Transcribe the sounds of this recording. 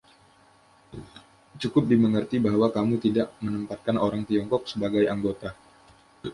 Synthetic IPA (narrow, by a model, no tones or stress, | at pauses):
t͡ʃukʊp̚diməŋərt̪ibaɦwakamut̪idaʔmənəmpat̪̚kanoɾaŋt̪iɔŋkɔk̚səbaɡajaŋɡot̪a